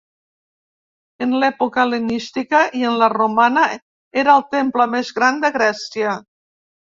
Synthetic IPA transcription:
enlɛpukəlenist̪ikəʔienləromana | eɾaːlˠt̪empləmezɣɾand̪əɣɾɛsiə

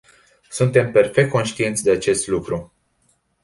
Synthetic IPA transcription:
sunt̪e̞mpe̞rfek̚t̪̚ko̞nʃt̪ie̞nt̪sʲd̪e̞at͡ʃe̞st̪lukɾu

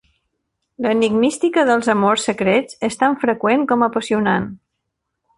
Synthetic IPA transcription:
ləniɡnist̪ikəðəlˠzəmorsːəkɾet͡sest̪aɱfɾəkweŋkɔməpəsiunan

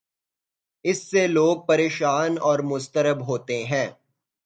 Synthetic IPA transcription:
ɪsːeloːɡ̚pɐɾeːʃaːnɔːɾmʊst̪əɾəbɦoːt̪eɦɛ̃ː

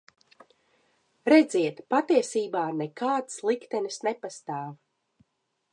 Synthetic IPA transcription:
ɾɛd̪ziɛt̪pat̪iɛsiːbaːnekaːt̪slˠikt̪ɛnisnepast̪aːv

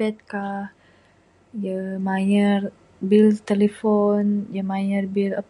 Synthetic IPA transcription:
ɛt̪̚kah | jəmajər | bilt̪elefɔnjəmajərbilə

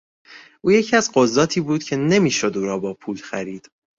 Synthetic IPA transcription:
ʔuːje̞cʰiæzɢozːɒːt̪ʰiːbuːd̪cʰe̞ne̞miːʃo̞d̪uːɾɒːbɒːpʰuːlxæɾiːd̪̥

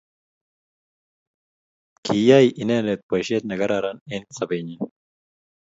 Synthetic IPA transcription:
kiːjaːiʔineːlet̪̚pɐɕeːt̪̚nɐɡɐɾaːɾanensɐbeːɲin

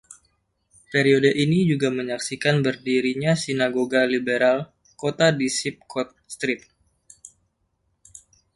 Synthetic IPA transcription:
peɾiodəʔinid͡ʒuɡaməɲaksikanbərdiɾiɲasinaɡoɡalibeɾal | kot̪adisip̚kɔt̪̚st̪ɾɪt̪̚

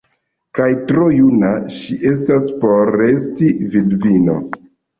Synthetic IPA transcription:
kajtɾojunaʃiʔe̞s̬taspo̞ɾe̞stividvino̞̰

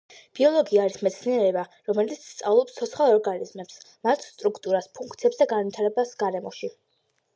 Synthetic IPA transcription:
b̥iɔlˠɔɡiaːɾismɛt̪sʰniɛɾɛbaɾɔmɛlit̪sʰst̪sʼavlˠɔpst̪ʰɔt̪sχalˠɔɾɡanizmɛpsmat̪ʰst̪ʼɾukʰt̪ʼuɾaspʰuŋkʰt̪siɛpsd̪aɡanvit̪ʰaɾɛbasɡaɾɛmɔʃi

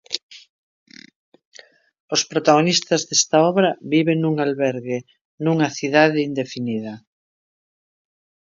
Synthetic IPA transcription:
ospɾot̪aɣ̞onist̪ɐzðest̪aɔβɾɐβiβeŋnuŋalβɛɾɣe | nuŋɐθiðaðɪind̪efiniðɐ

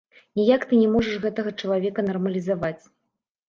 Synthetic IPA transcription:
nʲijakt̪ɨnʲɛmɔʐɐʂɣɛt̪ɐɣɐt͡ʂɐlˠavʲɛkɐnɐrmɐlʲizavat͡sʲ

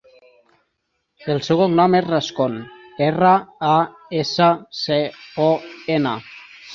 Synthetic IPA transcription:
elseɣoknɔmezraskoneraa | esaseoena

